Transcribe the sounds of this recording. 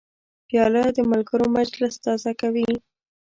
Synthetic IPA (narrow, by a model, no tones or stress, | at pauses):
bjɑlad̪əmalɡəɾomad͡ʒlɪst̪ɑzakawi